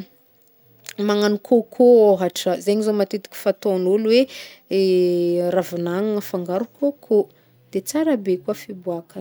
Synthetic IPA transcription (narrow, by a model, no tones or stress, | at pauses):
maŋanukʰokʰooɦaʈ͡ʂəzeɲizomat̪it̪i̥kʲi̥fat̪onulweeravunaŋŋəfaŋɡaɾukokʰo | d̪̥et͡saɾabekuəfibuakə